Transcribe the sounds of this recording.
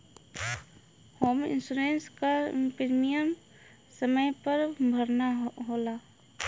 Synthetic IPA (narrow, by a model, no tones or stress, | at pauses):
hoːmɪ̰nsuɾeːnskapɾmijəm | səməjpəɾbʱəɾnaɦolaː